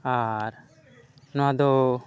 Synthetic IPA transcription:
aɾ | noad̪o

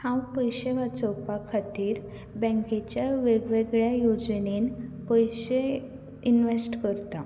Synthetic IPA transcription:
hãwpəjɕeʋat͡sɔwpakʰːat̪iːɾ | bɛ̃ŋket͡ɕjaʋeɡʋeɡɭjajod͡ʑnenpəjɕe | inʋesʈkəɾt̪a

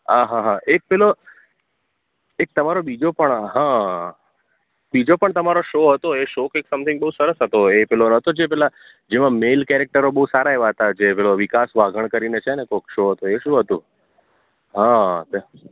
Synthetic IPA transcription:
aɦãɦãek̚pɛlo | ek̚t̪əmaɾobid͡ʒopəɳɦã | bid͡ʒopəɳt̪əmaɾoʃoɦət̪oeʃokeksəmt̪ʰɪ̃ŋɡbəɦusəɾəsɦət̪oepɛlonɦət̪od͡ʒepɛla | d͡ʒemãmelkɛɾek̚ʈəɾobəɦusaɾaeʋaɦət̪ad͡ʒepɛloʋikasʋaɡʱəɳkəɾinet͡ʃʰenekokʃoɦət̪oeʃũɦət̪ṵ̃ | ɦãt̪e

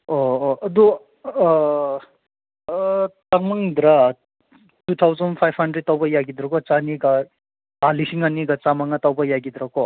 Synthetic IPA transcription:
ɔːʔɐd̪u | t̪aŋmaŋd̪ɾa | tut̪ʰawzɔnpʰajbhandɾed̚tawbajaɡid̪ɾɔkɔt͡saniɡa | palisiŋaniɡat͡samaŋat̪awbajaɡid̪ɾakɔ

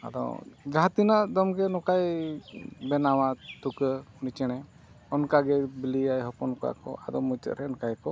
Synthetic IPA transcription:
a̰d̪ɔ̰d͡ʒat̪inaʔd̪ɔmɡɛnɔkaj | bɛnawat̪ukənit͡ʃɛɽ̃ɛ | ɔnkaɡɛbiliajɦɔpɔnkɔa̰kɔ̰ʔa̰d̪ɔmut̪ə̰ʔɾɛɔnkajkɔ

